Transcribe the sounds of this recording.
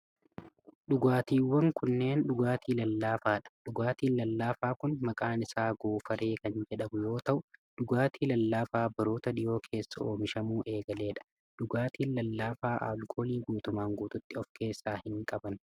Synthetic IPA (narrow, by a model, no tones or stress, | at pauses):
ɗʊɡaːt̪iːwːɐŋkʊnːe̞ːnɗʊɡaːt̪iːlɐlːaːfaːᶑɐ̥ᶑʊɡaːt̪iːnlɐlːaːfaːkʊnmɐkʼaːnɪsaːɡoːfɐɾe̞ːkɐnd͡ʒɛᶑɐmʊjo̞ːt̪ɐʔʊᶑʊɡaːt̪iːlɐlːaːfaːbɐɾoːt̪ɐd̪ɪjo̞ːkʰe̞ːsːɐoːmɪʃɐmuːʔe̞ːɡɐle̞ːᶑɐ̥ | ɗʊɡaːt̪iːnlɐlːaːfaːʔa̰ːlkʰʼoːliːɡuːt̪ʊmaːŋɡuːt̪ʊt̪ːɪɔfke̞ːsːaːhɪŋkʼɐbɐn